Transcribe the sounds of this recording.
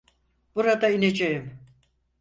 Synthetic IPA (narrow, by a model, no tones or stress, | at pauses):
b̥uɾad̪ained͡ʒejim